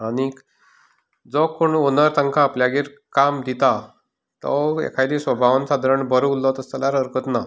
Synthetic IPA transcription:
aɽi | d͡zɔkoɳonəɾt̪əŋkaːpljaɡiːɾ | kamd̪ʱit̪a | t̪ɔ̰ḛkʰajd̪isʋəbʱaʋənsad̪ʱɾəɳbʱəɾuulːɔt̪əst̪alaɾəɾkət̪na

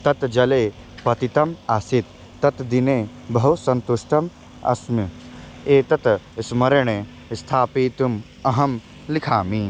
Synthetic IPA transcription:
t̪ɐt̪d͡ʒɐleː | pɐt̪it̪ɐmasit̪ː | ɐt̪d̪ineː | bɐɦusɐ̃nt̪uʂʈʰɐm | ɐ̰smi | eːt̪ɐt̪smɐɾɐɳ̃e | st̪ʰaːpiːt̪um | ɐɦɐm | likʰaːmi

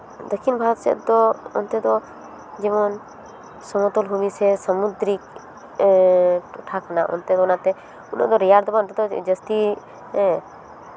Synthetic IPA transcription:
d̪ɔkʰinbʱaɾɔt̪sɛ̰d̪ɔɔ̰nt̪ɛd̪ɔ | d͡ʒɛmɔn | sɔmɔt̪ɔlɦumisɛsamud̪ɾik̚ | ʈʰakʰnaʔɔ̰nt̪ɛd̪ɔɔnat̪ɛ | unɔ̰d̪ɔɾɛjaɾd̪ɔbant̪ɛd̪ɔd͡ʒəst̪i

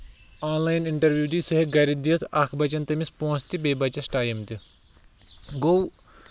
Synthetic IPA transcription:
aːnlaːjniɳʈɐɾʋjuːd̪iːsɐɦiɡɐɾid̪iɐt̪ʰɐkʰbɐt͡ʃɐnt̪ɐmispoːnst̪ibeːbɐt͡ʃɐsʈaːjɐmt̪i | ɡo

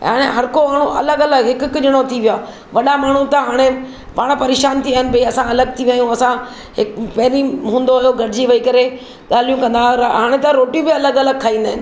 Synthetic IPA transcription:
ɦa̰ːɽ̃eɦɐɾkomaːɳ̤ũʔɐləɡɐləɡɦɪkʊkʊd͡ʑɪɽ̃ot̪ʰiʋijaː | ʋɐɗamaːɳ̤ũt̪ɐɦaːɽ̃e | paːɽ̃pɐɾeːʃaːnt̪ʰiaːɦɪnɪ̆bɐiɐsãɐləɡ̚t̪ʰiʋjaːjũɐsã | ɦɪkpɐɦɪɾiɦũːn̆d̪oɦjoɡʱɐʈɪd͡ʑiʋɐikɐɾe | ɠaːl̤ijũkɐ̃nd̪aːɦaːɽ̃et̪ɐɾoːʈijũbɪɐləɡɐləɡ̚kʰaːɦĩːnd̪aːɦɪnɪ̆

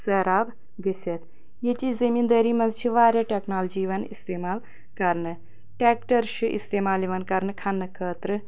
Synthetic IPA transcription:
sɐɾaːb | ɡɐsʲɐt̪ | jet͡ʃizɐmiːnd̪ɐːɾiːmɐnzt͡ʃʰiʋaːɾjaʈʲeknaːld͡ʒiːʋɐnḭst̪eːmaːl | kɐɾnɨ | ʈeːk̚ʈɐɾʃuʔḭst̪eːmaːljiʋɐnkɐɾnɨkʰɐnːɨkʰəːt̪ɾɨ

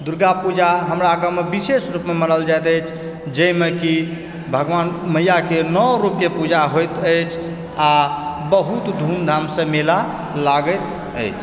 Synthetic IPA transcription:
d̪uɾɡapud͡ʒaɦəmɾaːɡəmebisesɾupmemənəld͡ʒajt̪əjt͡ʃʰ | d͡ʒəimeki | bʱəɡʋanməjakenɔwɾup̚kepud͡ʒaɦojt̪əjt͡ʃʰ | abəɦut̪d̪ʱumd̪ʱamsə̃mela | laɡət̪ | ə̰jt͡ʃʰ

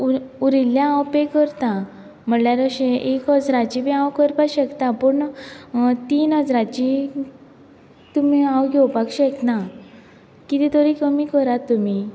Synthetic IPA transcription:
uɾiljãːwpekəɾt̪a | m̤əɳljaɾəɕẽʔekəd͡zɾat͡ɕibĩãwkəɾpaɕɛkt̪apəɳ | t̪inəd͡zɾat͡ɕi | t̪umiãwɡʱewpakɕɛkna | kit̪it̪əɾikəmikəɾat̪ːumi

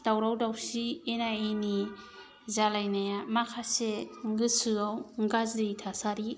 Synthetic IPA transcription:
d̥awɾawdawsienajeni | zalajnajamakʰaseŋɡɯsɯawŋɡazditʰasaɾi

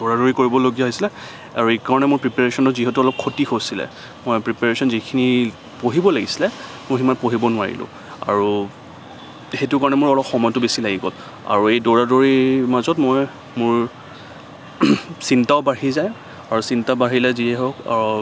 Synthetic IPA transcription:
doɹadoɹikoɹibɔloɡijaɦojsilɛ | a̰ɹuekaɹɔnɛmʊɹpɹipaɹesɔntʊziɦetuɔlɔp̚kʰːotixosilɛ̰ | mojpɹipaɹesɔnzikʰini | poɦibɔlaɡisilɛ | mʊjximanpoɦibɔnʊwaɹḭlʊ̰̃ | a̰ɹu | xetʊkaɹɔnɛmʊɹɔlɔpxɔmɔjtʊbesilaɡiɡɔ̰l | a̰ɹuejdoɹadoɹimazɔtmɔj | mʊɹ | sintaʊbaɦizaj | aɹusintabaɦilɛziɛɦɔka̰ɹu

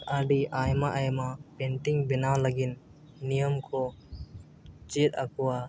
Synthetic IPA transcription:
aɖiʔajmaʔajmapenʈiŋbinalaɡinː | ijəmkʰɔ | t͡ʃetakʰuwa

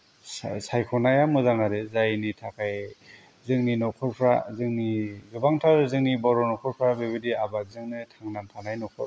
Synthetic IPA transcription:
sajkʰɔnajamɯzaŋaɾezajnitʰakʰaj | zɯŋninɔkʰɔɾpʰɾazɯŋnizubaŋtʰaɾzɯŋnibɔɾɔnɔkʰɔɾpʰɾabeβidiabazɯŋnɯtʰaŋnantʰanajnɔkʰɔ

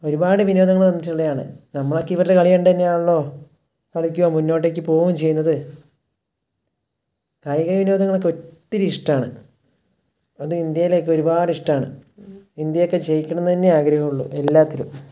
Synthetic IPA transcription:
o̞ɾubaːɽɨʋino̞ːd̪ɐŋːɐɭt̪ɐnːit͡ɕːuɭːejaːɳɨ̰nɐmːɐɭo̞kːeiʋɐɾlekɐɭijɐɳɖ̪ɐnːejaːuɭːo̞ː | kɐɭikʲːuoːmunːo̞ːʈ̬ːeːk̬ʲːɨpo̞ːɣumt͡ɕe̞jːunːɐðɨ | kajkɐjʋino̞ːd̪ɐŋːɐɭo̞kːe̞otːiɾiʂʈɐaːɳɨ̰ | ɐðɨind̪jɐjile̞ːk̬ːeo̞ɾubaːɖɨiʂʈɐaːɳɨ̰ind̪jɐjokːe̞t͡ɕe̞jikʲːɐɳunːɐt̪inːeaːɡɾɐɦɐmuɭːṵʔe̞lːaːt̪ːilum

